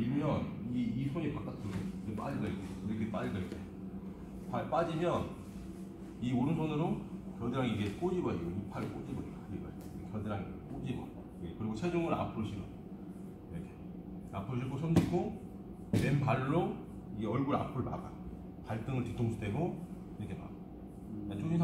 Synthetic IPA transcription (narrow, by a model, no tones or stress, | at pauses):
imjʌniisʰoɲipak͈at͈ʰɯɡeɡep͈a̰d͡ʑiɭɡʌik͈eokɯnekɯeep͈ad͡ʑiɡʌik͈ejo | pʰap͈ad͡ʑimjʌn | ioɾɯnsʰonɯɾokjʌdeɾaŋiɡek͈od͡ʑiɡʌjeɡoipʰaɾɯɭk͈od͡ʑibʌead͡ʑiɡʌje | iekjʌdeɾaŋiɡek͈od͡ʑibʌ | ekɯɾiɡot͡ɕʰed͡ʑuŋɯɾa̰pʰɯɭɕʰiɡʌ | iɾʌkʰe̥ | apʰɯɭɕ̬ʰikʰosʰʌmd͡ʑikʰo | wenbaɾːo | iɡeʌɭɡuɾa̰pʰɯɭpa̰ɡa̰ | paɭt͈ɯŋɯɭtitʰoŋsʰu̥dʰwe̞ɡo | iɾʌkʰema̰ɡa | at͡ɕʰoɕiŋsʰa